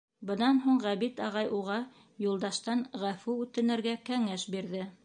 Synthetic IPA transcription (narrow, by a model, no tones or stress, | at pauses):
bɤ̆nɑnɦuɴʁæβit̪ɑʁɑjʔuʁɑ | julˠd̪ɑʃt̪ɑnʁæfʉʉt̪ɘ̆nɘ̆ɾɡækæŋæʃbiɾðɘ